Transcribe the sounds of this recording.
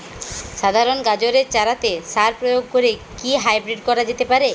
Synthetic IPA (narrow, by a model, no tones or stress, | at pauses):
ʃad̪ʱaɾonɡad͡ʑoɾeɾt͡ɕaɾat̪esaɾpɾojoɡ̚koɾekiɦajbɾiʈ̚kɔɾad͡ʑet̪epaɾe